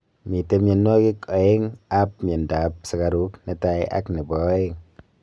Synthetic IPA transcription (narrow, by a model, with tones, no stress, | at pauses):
mi˨te˧me˧˨nnɔ˦ki˦kɔ˨e˦ŋa˦p̚me˨nda˨˦p̚sa˨ka˧ɾu˨˦kne˨˧ta˧ja̰˦kni˨bɔ˨˦e˦ŋ